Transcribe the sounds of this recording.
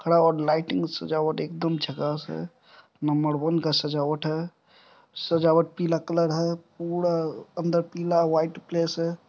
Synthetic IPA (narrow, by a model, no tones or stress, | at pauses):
kʰəɽaɔːɾlaːɪʈɪŋɡsə̰d͡ʒaːʋəʈeːkd̪əmd͡ʒʱəɡasɦɛ̰ | nəmbəɾwənkasəd͡ʒaːʋəʈɦɛ | səd͡ʒaːwəʈ̚piːlakələɾɦɛpuːɽaənd̪əɾpiːlawaːɪʈpleːsɦɛː